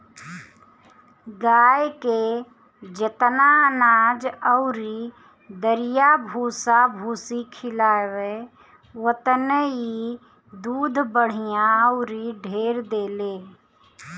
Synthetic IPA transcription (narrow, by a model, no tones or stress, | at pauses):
ɡaːjke | d͡ʒət̪naənaːd͡ʒəʊɾi | d̪əɾɪjabʱuːsabʱuːsikʰɪlaːʋe | wət̪nəi | d̪uːd̪ʱbəɽ̤ijãəʊɾiɖʱeːɾd̪eːleː